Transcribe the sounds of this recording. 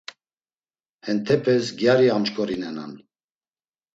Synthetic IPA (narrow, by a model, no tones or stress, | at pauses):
hɛnt̪ʰɛpʰɛsɡjaɾiant͡ʃkʼɔɾinɛna̰n